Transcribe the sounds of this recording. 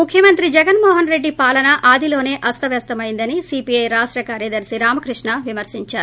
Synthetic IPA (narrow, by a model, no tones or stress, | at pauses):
mukʰjɐmɐnt̪ɾid͡ʒɛɡɐnmɔːɦɐnɾe̞ɖːipaːlɐnɐʔʔaːd̪ilo̞ːne̞ːʔɐst̪ɐʋɛːst̪ɐmɐjind̪ɐnisiːpiɐjɾaːʂʈɾɐkaːɾjɐd̪ɐɾsiɾaːmɐkɾiʂɳɐʋimɐɾsiɲt͡ʃaːɾu